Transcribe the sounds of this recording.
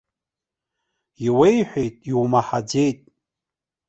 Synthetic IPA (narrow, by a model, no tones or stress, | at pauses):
iwejħʷᶣejtʼiwmaħad͡ze̞jtʼ